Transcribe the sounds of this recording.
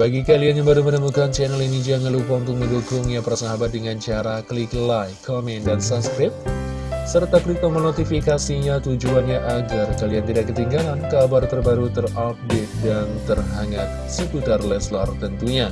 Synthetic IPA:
baɡikalianjaŋbaɾumənəmukant͡ʃɛnəlinid͡ʒaŋəlupaunt̪ʊŋməndukʊŋjapərsaɦabat̪̚dəŋant͡ʃaɾakəliklajkʰomɛndansaskɾɪp̚ | sərt̪aplit̪omənot̪ifikasiɲat̪ud͡ʒuanɲaʔaɡarkaliant̪idaʔkːət̪iŋɡalankabart̪ərbaɾut̪ərap̚dɛt̪̚dant̪ərɦaŋat̪̚səkut̪arlɛslart̪ənt̪uɲa

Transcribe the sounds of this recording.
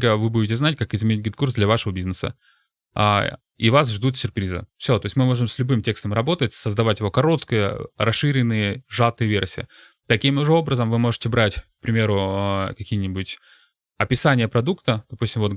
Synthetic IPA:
ɡəvɨbudʲɪtʲɪznatʲkakɪzmʲɪnʲit̚ʲɡʲɪt̪kursd̪lʲɐvaʂəvəbʲiznəsə̰ | a̰ | ḭvas̬ʐd̪ut̪sʲʊrpɾʲizɨ̰fsʲo̞t̪oɪsʲmɨmo̞ʐɨmsʲlʲʊbɨmtʲe̞kst̪əmɾɐbo̞t̪ətʲsəzd̪ɐvatʲjɪvo̞kɐɾo̞t̪kəjə̰ɾɐsʂɨɾʲɪnːɨjəʐat̪ɨjəvʲersʲɪjə̰ | t̪ɐkʲimʊʐɛo̞bɾəzəmvɨmo̞ʐɨ̥tʲɪbɾatʲk̚pɾʲɪmʲe̞ɾʊəkɐkʲijənʲɪbutʲ | ɐpʲɪsanʲɪjəpɾɐd̪ukt̪əd̪̥ɐpusʲtʲɪmvo̞t̪

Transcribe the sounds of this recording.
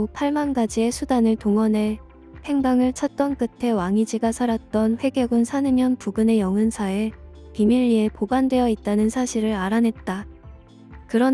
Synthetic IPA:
pʰaɭmanɡad͡ʑie̞sʰudanɯɭtoŋʌne̞ | pʰe̞ŋbaŋɯɭt͡ɕʰʌt̚t͈ʌnk͈ɯtʰe̞waŋid͡ʑiɡasʰaɾat̚t͈ʌnɸwe̞ɡjʌɡunsʰanɯmjʌnpuɡɯne̞jʌŋɯnsʰae̞ | pimiʎːie̞pobandwe̞jʌit̚t͈anɯnsʰaɕʰiɾɯɾaɾanɦe̞t̚t͈a | kɯɾʌn

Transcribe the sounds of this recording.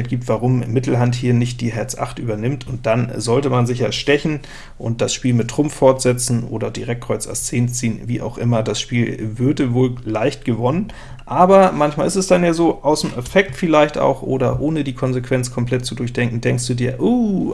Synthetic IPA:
t̚ɡ̥iːp̚tv̥aʁʊmmɪtl̩ɦanthiːɐnɪçt̚d̥iːɦɛɐt͡sʔa̰χtʔyːbɐnɪmtʰʊnt̚d̥anzɔltəmanzɪçaːʃtɛçn̩ | ʔʊ̰nt̚d̥asʃpiːlmɪtːʁ̥ʊmfːɔɐtz̥ɛt͡sn̩ʔo̰ːdɐdḭːʁɛk̚ʁ̥ɔʏt͡sa̰ʊst͡seːnt͡siːənvḭːʔa̰ʊxʔɪmɐdasʃpiːlvʏɐdəvoːllaɪçtɡ̥əvɔnən | ʔaːbɐmançmaːlɪstɛsd̥anjaːzoːʔaʊsdmʔɛfɛk̚tfɪlaɪçta̰ʊxʔo̰ːɾɐ̰ʔoːnədiːkʰɔnzekv̥ɛnt͡skʰɔmpl̥ɛtt͡sudʊɐçd̥ɛŋkŋ̩dɛŋkstd̥uːdiːɐʔu

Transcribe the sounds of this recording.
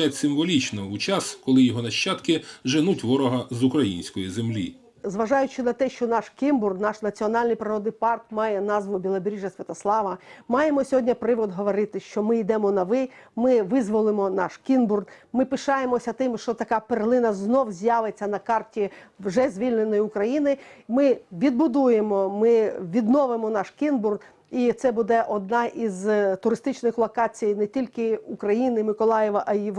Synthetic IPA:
etʲsɪmʋɔlʲit͡ʃnɔut͡ʃɑskɔlˠɪjɔɦɔnɐʃt͡ʃɑt̪kɪʒenutʲʋɔɾɔɦɐzʊkɾɐjinʲsʲkɔjizemlʲi | zʋɐʒɑjʊt͡ʃɪnɐt̪ɛʃt͡ʃɔnɑʃkʲimburɡ̪nɑʃnɐt͡sʲiɔnɑlʲnɪjpɾɪɾɔd̪nɪjpɑrkmɑjɛnɑzʋʊbʲilˠɐbʲɾʲiʒɐsʲʋʲɐt̪ɐslˠɑʋɐmɑjemɔsʲɔɦɔdʲnʲɐpɾɪʋɔd̪ɦɔʋɔɾɪt̪ɪʃt͡ʃɔmɪid̪ɛmɔnɐʋɪmɪʋɪzʋɔlˠɪmɔnɑ̰ʃkʲinburd̪mɪpɪʃɑjemɔsʲɐt̪ɪmʃt͡ʃɔt̪ɐkɑperlˠɪnɐznɔwzʲjaʋet͡sʲːɐnɐkɑrtʲiwʒɛzʲʋʲilʲnenɔjiʊkɾɐjinɪmɪʋʲid̪̚bʊd̪ujemɔmɪʋʲid̪nɔʋɪmɔnɑʃkʲinburd̪ | it̪sɛbud̪ɛʔɔd̪̚nɑʔizt̪ʊɾɪst̪ɪt͡ʃnɪxlˠɔkɑt͡sʲijnɛtʲilʲkɪukɾɐjinɪmɪkɔlˠɑjeʋɐʔɐi

